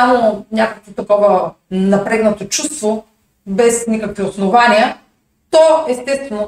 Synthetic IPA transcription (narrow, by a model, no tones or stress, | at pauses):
amonʲakəkvot̪ɐkɔvɐnɐpɾɛɡnɐt̪ot͡ʃust̪vo | bɛsnʲikəkviosnovaniə | t̪ɔɛst̪ɛst̪vɛno